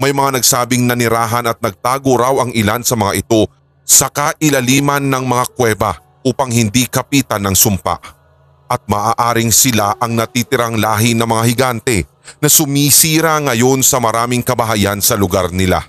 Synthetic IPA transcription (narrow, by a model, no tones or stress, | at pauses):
mɐjmɐŋanɐɡsaːbɪŋnɐnɪɾaːɦɐnɐt̪̚nɐɡ̚t̪aːɡoɾawɐŋʔɪlansɐmɐŋaʔɪt̪o̞ | sɐkaʔɪlɐliːmɐnːɐŋmɐŋakwɛːbɐ | ʔuːpɐŋhɪnd̪ikɐpiːt̪ɐnɐŋsʊmpa̰ʔ | ʔɐt̪̚maːʔaːʔaːɾɪŋsɪlaʔɐŋnɐt̪it̪ɪɾaŋlaːɦɪnɐmɐŋahɪɡant̪ɛ | nɐsʊmiːsiːɾaŋɐjo̞nsɐmɐɾaːmɪŋkɐbɐɦajansɐlʊɡaɾnɪla̰